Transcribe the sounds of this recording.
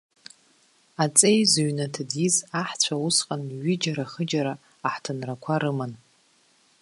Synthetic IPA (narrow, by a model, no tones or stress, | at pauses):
at͡sʼejzuɥnatʰadizaħt͡ɕʷʰausqʼanɥɪd͡ʒaɾaχəd͡ʒaɾaː | ħtʰɨnrakʷʰaɾɨman